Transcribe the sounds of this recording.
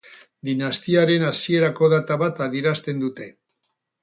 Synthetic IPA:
d̪inast̪iaɾe̞nasie̞ɾako̞ð̞at̪aβat̪aðieɾast̪e̞nd̪ut̪e̞

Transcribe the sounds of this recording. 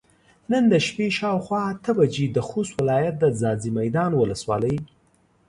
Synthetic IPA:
nənd̪əʃpeʃɑwxwɑat̪əbad͡ʒed̪əxoswɪlɑjat̪̚d̪əzɑzimajd̪ɑnwʊləswɑ̰ləj

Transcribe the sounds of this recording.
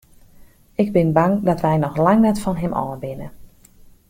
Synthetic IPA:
ɪɡ̚bɪnbaŋdɔtʋɛjnɔxlaŋnɛtfɔnɦɪmʔɔ̰ːnbɪnə

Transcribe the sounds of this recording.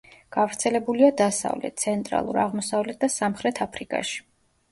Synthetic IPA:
ɡ̥avɾt̪sʰɛlɛbuliad̪asa̰vlɛ̰t̪̚t̪sʰɛnt̪ʼɾa̰lˠṵɾa̰ʁmɔsavlɛt̪̚ʰd̪asamχɾɛt̪ʰapʰɾikʼa̰ʃi̥

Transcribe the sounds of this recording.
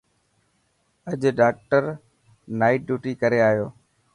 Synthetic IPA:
əʄɖaːk̚ʈəɾ | naːɪʈ̚ɖjuːʈiːkəɾeaːɦjoː

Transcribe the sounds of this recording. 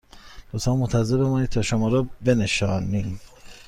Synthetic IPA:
b̪̥osɑːmont̪ʰæzebemɔːniːt̪t̪ʰɒːʃomɒːɾɔbe̞neʃɒːnim

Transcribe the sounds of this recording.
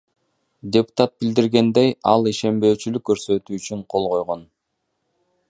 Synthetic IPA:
dʲepʊ̥t̪ɑt̪̚bild̪iɾɡe̞nd̪e̞jɑ̰lˠiʃe̞mbø̞ːt͡ʃylykːø̞ɾsø̞t̪yːt͡ʃyɴqʰo̞lˠʁo̞jʁo̞n

